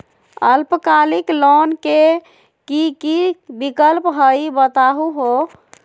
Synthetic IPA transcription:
əlpəkaliklonke | kikibikəlpɦəjbət̪aɦuɦo

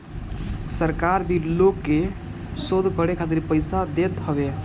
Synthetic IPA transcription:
səɾkaɾbʱiɾlokːe | sod̪ʱkəɾekʰat̪iɾpəjsad̪et̪ɦəbe

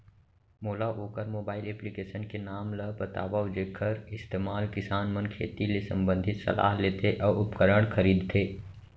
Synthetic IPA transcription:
moːlaʔoːkəɾmoːbaːɪlɛːplikeːʃənkenaːmlɐbɐt̪a̰ːʋad͡ʒeːkʰːəɾɪst̪eːmaːlkɪsaːnmənkʰḛːt̪ilesɐ̰̃mbə̃nd̪ʱɪt̪sɐ̰la̰ːɦleːt̪ʰeʔɔːɾʊpkəɾəɽ̃kʰɐɾiːd̪t̪ʰeː

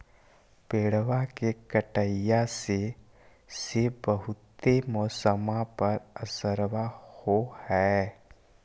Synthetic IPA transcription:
peːɽʋakekəʈəjase | sebəɦʊt̪ːemɔːsəmapəɾəsəɾʋahohɛː

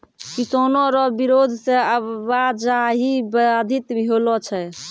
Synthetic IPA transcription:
kisonɔɾɔbiɾod̪ʱseəbad͡ʒaɦibad̪ʱit̪bɦolɔt͡ʃʰɛ

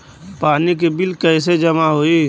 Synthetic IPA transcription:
paːnik̬ebɪlkəɪs̬ed͡ʒɐmaɦoi

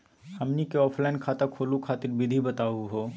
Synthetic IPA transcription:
hɐmnikeɔːpʰlaːnkʰaːt̪akʰoːlukʰaːt̪ɪɾbɪd̪ʱibɐt̪aːuɦoː

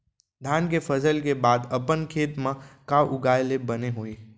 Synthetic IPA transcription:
d̪ʱaːnkefʰəzəlkebaːd̪ɐpənkʰeːt̪mãkaʔʊɡaːjlebɐneɦoi

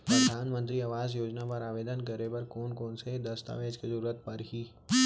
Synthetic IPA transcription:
pɾəd̪ʱaːnmə̃nt̪ɾiɐʋaːzjoːd͡ʒnapɐɾaːʋeːd̪ənkɐɾepɐɾkoːnkoːnsed̪ɐst̪a̰ʋeːd͡ʒkʰezɐɾuːɾət̪̚pɐɾɦiː

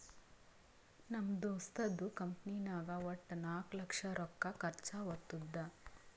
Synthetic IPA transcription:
nɐmd̪oːst̪ɐd̪ːukɐmpniːnaːɡɐʋɔʈːnaːklɐkʂɐɾɔkːɐkɐɾt͡ʃaʋɐɾt̪ːud̪ːɐ

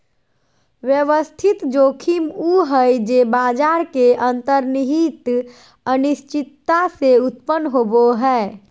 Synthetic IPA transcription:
ʋjəʋəst̪ʰit̪d͡ʒokʰimuɦəjd͡ʒebad͡ʒaːɾkeʔənt̪əɾniɦit̪ | ənist͡ʃɪt̪ːaseut̪pənːɦoboɦɛː

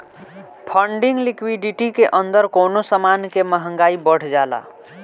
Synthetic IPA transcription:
pʰəɳɖiŋɡlikwiɖiʈikeʔənd̪əɾkonosəmankeməɦə̃ŋɡaibəɽ̤d͡ʒala̰

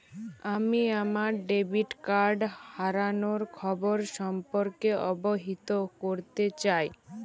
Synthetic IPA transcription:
amiamaɾɖebiʈkaɾɖhaɾanoɾkʰɔboɾʃɔmpoɾkeɔboɦit̪okoɾt̪et͡ɕaj

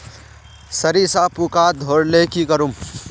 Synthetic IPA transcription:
sɐɾisapukaːd̪ʱoːɾlekikɐɾum

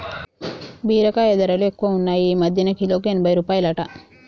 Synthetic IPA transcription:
biːɾɐkaed̪ɐɾɐluekːuʋɐunːaːjiiːmɐd̪ʱjɐnɐkilo̞ːkuenibɐjɾuːpaːjɐlɐʈɐ

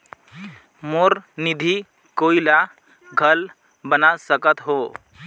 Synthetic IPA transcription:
moɾnid̪ʱi | koːila | ɡʱəl | bənasəkət̪ɦo

